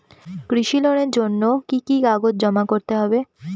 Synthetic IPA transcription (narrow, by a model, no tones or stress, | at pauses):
kɾiʃiloneɾd͡ʑonːokikikaɡot̪̚d͡ʑɔmakoɾt̪eɦɔbe